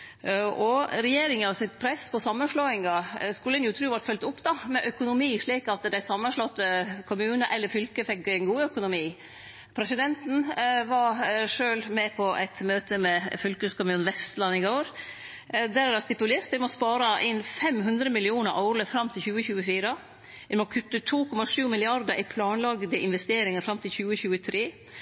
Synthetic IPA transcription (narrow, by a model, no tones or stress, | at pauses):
ʔɔɾɛjeːɾɪŋəɑsɪt̪pʰɾɛspʰɔsɑmːənʂɭoːɪŋɑskʉlːəɛnjʊt̪ʰɾʉːʋɑɾt̪fœlt̪ʊpːd̪ɑmɛʔœkʊnʊmiːʂɭiːkɑt̪d̪æɪsɑmːənʂɭɔt̪ːəkʰʊmʉːnəʔɛlːəɾfʏlkəfɛkːɛnɡuːœkʊnʊmiː | pʰɾɛsɪd̪ɛnt̪n̩ʋɑɾʂøːlmɛpʰɔʔæ̰ɪt̪møːt̪əmɛfʏlkəskʊmʉːnʋɛst̪lɑnːɪɡoːɾ | d̪æɾædɑst̪ɪpʉleːɾt̪d̪ɪmɔspɑːɾɑʔɪnfɛmɦʉnd̪ɾəmɪlɪuːnəɾʔɑʉɾləfɾɑmːt̪ʰɪlçʉːəçʉːəfiːɾə | ʋɛmɔkʰʉt̪ːət̪ʰuːkʰɔmɑʂʉːmɪlɪɑɾd̪əɾʔɪpʰlɑːnlɑɡd̪əʔɪnʋɛst̪eːɾɪŋəɾfɾɑmt̪ʰɪlçʉːəçʉːət̪ʰɾeː